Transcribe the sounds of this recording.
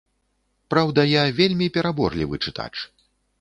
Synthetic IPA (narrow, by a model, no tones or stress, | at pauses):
pɾawd̪ɐjavʲelʲmʲipʲɛɾabɔrlʲivɨt͡ʂɨt̪a̰t͡ʂ